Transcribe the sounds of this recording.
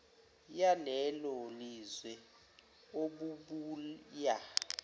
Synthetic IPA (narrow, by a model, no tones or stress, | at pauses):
jalɛlolizwɛ | oɓuɓuːlja